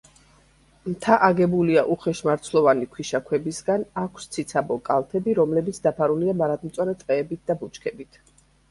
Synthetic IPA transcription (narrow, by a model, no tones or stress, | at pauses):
mt̪ʰaʔaɡɛbuliaʔuχɛʃmaɾt̪sʰlˠɔvanikʰwiʃakʰwɛbisɡanakʷʰst̪sʰit̪sʰabɔkʼalˠt̪ʰɛbiɾɔmlɛbit̪sʰd̪apʰaɾuliamaɾad̪m̩t̪sʼaɾɛt̪ʼqʼɛːbit̪̚d̪abut͡ʃʰkʰɛbit̪ʰ